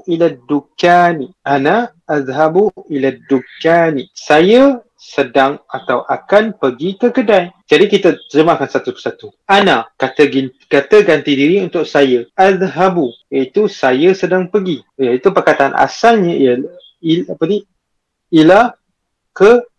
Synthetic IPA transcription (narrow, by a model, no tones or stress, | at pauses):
ʔilad̪ukaniʔanaʔːðɦabuilad̪ukaːnisajə | sədaŋat̪awʔakanpəɡikəkədajd͡ʒadikit̪aəzəmakansat̪upəsat̪uʔanakat̪əɡikat̪əɡant̪idiɾiunt̪ʊk̚sajaʔaðɦabujait̪usajasədaŋpəɡijait̪upakat̪anʔa̰salɲa | iapəni | ila | kə